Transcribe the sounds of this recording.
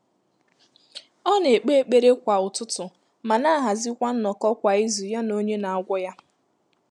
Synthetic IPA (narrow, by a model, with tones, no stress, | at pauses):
ɔ˦ne˨k͡pe˦e˦k͡pe˦ɾe˦kʷa˨ʊ˨tʊ˦tʊ˨ | ma˨na˦a˦˨ɦa˨zi˦kʷa˦n̩˦nɔ˨kɔ˦kʷa˨i˦zu˨ja˦no˦ɲe˦na˨a˦ɡʷɔ˦ja˦